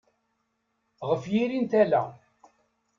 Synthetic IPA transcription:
ʁəfjiɾint̪ælæ

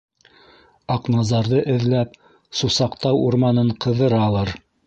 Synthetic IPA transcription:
ɑqnɑzɑɾðɤʔɘ̆ðlæp̚ | susɑqt̪ɑwuɾmɑnɤɴqɤ̆ðɤ̆ɾɑːlˠɤɾ

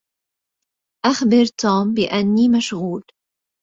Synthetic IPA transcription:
ʔaxbɪɾt̪uːmbɪʔanːiːmaʃɣuːl

